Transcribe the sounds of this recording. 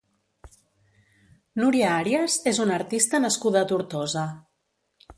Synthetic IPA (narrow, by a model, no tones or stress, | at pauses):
nuɾiaaɾiazezunəɾt̪ist̪ənəskuðət̪uɾt̪ɔzə